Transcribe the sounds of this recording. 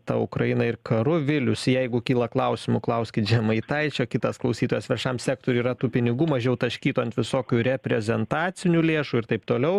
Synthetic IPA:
t̪ɐ̰ʊkɾɐɪnɐɪrkɐɾʊʋʲɪlʲʊsjɛɪɡʊkʲiːlˠɐklˠɐʊsʲɪmʊklˠɐʊsʲkʲɪt̪ʒʲɛmɐɪt̪ɐɪt͡ʃʲoːkʲɪt̪ɐsklˠɐʊsʲiːt̪oːjɛːsʋʲɛʃɐmsʲæːk̚t̪oːɾʲuiːɾɐt̪uːpʲɪnʲɪɡuːmɐʒʲɛʊt̪ɐʃʲkʲiːt̪oɐnt̪ʋʲɪsoːkʲuːɾʲɛpʲɾʲɛzʲɛnt̪ɑːt͡s̪ʲɪnʲuːlʲeːʃuːɪɾt̪ɐɪpt̪oːlʲɛʊ

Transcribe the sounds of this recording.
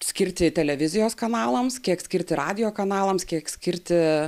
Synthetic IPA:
sʲkʲɪɾʲt̪ʲɪt̪ʲɛlʲɛʋʲɪzʲɪjoːskɐnɑːlˠɐmskʲiɛksʲkʲɪɾʲt̪ʲɪɾɑːd̪ʲɪjoːkɐnɑːlˠɐmskʲiɛksʲkʲɪɾʲt̪ʲɪ

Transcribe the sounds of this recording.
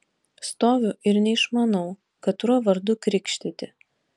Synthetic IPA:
st̪oːʋʲʊʔɪɾnʲɛɪʃmɐnɐʊ | kɐt̪ɾuɔʋɐɾd̪ʊkɾʲɪkʃʲt̪ʲɪt̪ʲɪ

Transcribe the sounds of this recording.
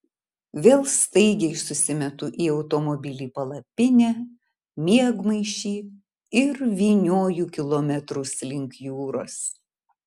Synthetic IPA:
ʋʲeːlˠst̪ɐɪɡʲɛɪsʊsʲɪmʲɛt̪ʊʔiɒʊt̪ɔmɔbʲɪlʲiːpɐlˠɐpʲɪnʲæː | mʲiɛɡmɐɪʃʲiː | ɪɾʋʲiːnʲoːjuːkʲɪlˠoːmʲɛt̪ɾʊslʲɪŋkjuːɾoːs

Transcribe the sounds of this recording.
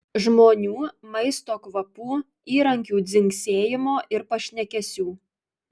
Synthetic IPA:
ʒmoːnʲuːmɐɪst̪oːkʋɐpuː | iːɾɐŋʲkʲuːd̪zʲɪŋʲksʲeːjɪmoːʔɪɾpɐʃʲnʲɛkʲɛsʲuː

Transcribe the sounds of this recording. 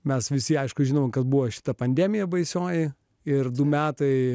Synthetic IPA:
mʲɛsʋʲɪsʲɪɐɪʃkʊʒʲinoːmokɐsbuʋoʃʲɪ̥t̪ɐpɐnʲd̪ʲæmʲɪjɛbɐɪsʲoːjɪ | ɪrd̪ʊmʲæːt̪ɐɪ

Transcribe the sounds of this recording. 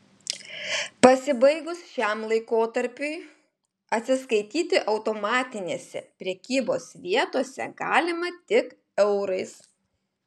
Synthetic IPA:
pɐsʲɪbɐɪɡʊsʃʲæmlˠɐɪkoːt̪ɐɾʲpʲʊɪ | ɐt̪ʲsʲɪskɐɪt̪ʲiːt̪ʲɪʔɐʊt̪oːmɑːt̪ʲɪnʲeːsʲɛ̰pʲɾʲɛkʲiːboːsʋʲiɛt̪oɔsʲɛ̰ɡɑːlʲɪmɐt̪ʲɪk | ɛʊɾɐɪs

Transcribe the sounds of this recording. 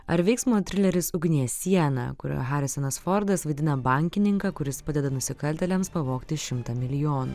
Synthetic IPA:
ɐɾʋʲɛɪksmoːt̪ʲɾʲɪlʲɛɾʲɪsʊɡnʲijɛsʲiɛnɐ̰kʊɾʲo̰ːɦɑːɾʲɪsɔnɐsfɔɾd̪ɐsʋɐɪd̪ʲɪnɐbɐˑŋʲkʲɪnʲɪŋkɑːkʊɾʲɪspɐd̪ʲɛd̪ɐnʊsʲɪkɐlʲt̪ʲɛlʲɛmspɐʋoːkt̪ʲɪʃʲɪmt̪ɐmʲɪlʲɪjoːnṵː

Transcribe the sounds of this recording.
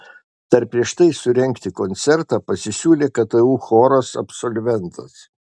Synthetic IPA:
t̪ɐɾpʲɾʲiɛʃt̪ɐɪsʊɾʲɛŋʲkt̪ʲɪkɔnʲt̪sʲɛɾt̪ɑːpɐsʲɪsʲuːlʲeːkɐt̪ɐuːxoːɾɐsɐ̰psɔlʲʋʲɛnt̪ɐs

